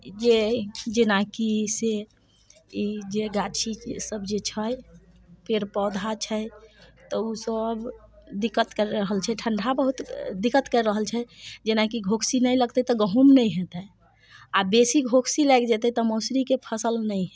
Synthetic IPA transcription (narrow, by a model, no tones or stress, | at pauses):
d͡ʒed͡ʒenakise | id͡ʒeɡat͡ʃʰisəbd͡ʒet͡ʃʰəj | peɾpɔd̪ʱat͡ʃʰɛt̪ɔusəb | d̪ikːət̪kəɾɾəɦəlt͡ʃʰɛʈʰəɳɖʱabəɦut̪d̪ikːət̪kəɾɾəɦəlt͡ʃʰɛd͡ʒenakiɡʱokʰsinəjləɡt̪ɛt̪ɔɡəɦumnəjɦet̪ɛ | abesiɡʱokʰsilajkd͡ʒet̪ɛt̪ɔmosɾikepʰəsəlnəiɦɛ